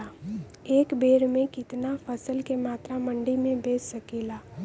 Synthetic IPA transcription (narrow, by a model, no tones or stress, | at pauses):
aː | eːkbeːɾmẽkɪt̪nafʰəsəlkemaːt̪ɾamə̃ɳɖimẽbeːsɐkiːlaː